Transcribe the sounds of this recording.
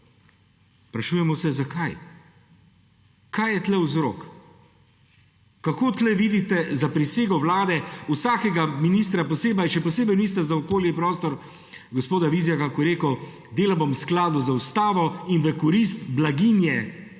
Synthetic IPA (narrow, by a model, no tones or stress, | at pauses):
spɾaʃuːjɛmɔsɛzakʰaj | kʰajɛt̪lɛwzɾo̰ːk | kakoːt̪lɛʋiːd̪it̪ɛzapɾiseːɡɔwlaːd̪ɛusaːkɛɡaminist̪ɾapɔseːbɐjʃɛpɔseːbɛjnist̪ɛzaɔkoːljɛpɾɔːst̪ɔɾ | ɡɔspoːd̪aʋizjakakɔɾeːkə | d̪eːlabomsklaːd̪uzaust̪aːʋɔinʋɛkɔɾist̪blaɡinjɛ